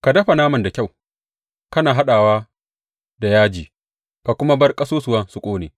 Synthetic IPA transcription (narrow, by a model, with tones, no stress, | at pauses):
ka˨dɐ˦ɸa˨naː˦mɐ˨nda˨kʲa˦˨w | kɐ˦naː˨ɦa˦ɗaː˨waː˦ | da˨jaː˦d͡ʒiː˨ | ka˨kʷʊ˦ma˦bɐ˦rkʼɐ˦soː˦sʊ˨waː˦sʊ˨kʷʼoː˦neː˨